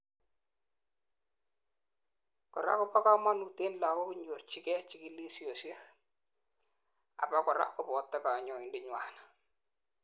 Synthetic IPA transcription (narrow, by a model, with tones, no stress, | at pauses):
kɔ˨ɾa̰˦kʊ˦pa˦ka˦ma˦nu˨te˦nla˨ko˦kɲo˨rt͡ʃi˦kɛ˦t͡ʃi˨ki˦li˦si˨o˨si˦ɛ˦k | a̰˨pa˦kɔ˨ɾa̰˦kʊ˨pɔ˨tːa˦ka˨ɲɔ˨ɪ˨ndɪ˨ɲwa˨na